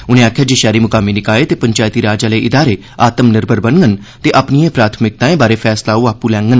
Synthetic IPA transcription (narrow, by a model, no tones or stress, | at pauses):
ʊnẽaːkʰːjaːd͡ʒeʃɛːɾimʊkaːminɪkaːet̪eːpəɲt͡ʃaːjt̪iːɾaːd͡ʒaːleːʔɪd̪aːɾeː | aːt̪əmnɪɾbəɾbənɡən | t̪eʔəpniẽpɾaːt̪ʰmɪk̚t̪aːẽːbaːɾeːfʰɛːslaːuːaːpulɛ̃ːŋɡən